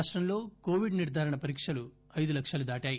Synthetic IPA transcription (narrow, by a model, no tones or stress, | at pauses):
ʂʈɾɐmlo̞ːkoːʋiɖniɾd̪ʱaːɾɐɳɐpɐɾiːkʂɐlu | ɐjd̪ulɐkʂɐlud̪aːʈaːji